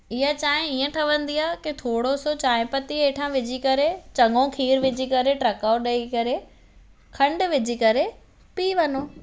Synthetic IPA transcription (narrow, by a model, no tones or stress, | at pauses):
ɪɦat͡ɕaːɦɪ̃iə̃ʈʰɐʋə̃nd̪iaːkit̪ʰoːɽosot͡ɕaːɪ̃pɐt̪ieːʈʰãʋɪd͡ʑʱikɐɾet͡ɕɐ̃ŋɡõkʰiːɾʋɪd͡ʑʱikɐɾeʈɾɐkaːoɗɐikɐɾe | kʰɐ̃ɳɖʋɪd͡ʑʱikɐɾe | piːʋɐnoː